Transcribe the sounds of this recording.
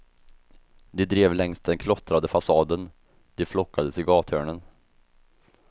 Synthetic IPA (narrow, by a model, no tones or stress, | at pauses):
d̪ɛd̪ɾeːvlɛŋst̪̚d̪ɛnkʰlɔt̪ɾad̪əfasɑːd̪ən | d̪̥ɛflɔkːad̪əsɪɡɑːt̪høːɳən